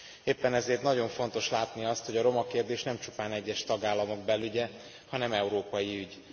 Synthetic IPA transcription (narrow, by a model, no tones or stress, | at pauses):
eːpːɛnɛzeːrt̪nɒɟo̞ɱfo̞n̪t̪o̞ʃlaːt̪niɒst̪ho̞ɟɒɾo̞mɒkeːrd̪eːʃnɛmt͡ʃu̥paːnɛɟːɛʃt̪ɒɡaːlːɒmo̞ɡbɛlːyɟɛ | hɒnɛmɛuɾoːpɒjiyɟ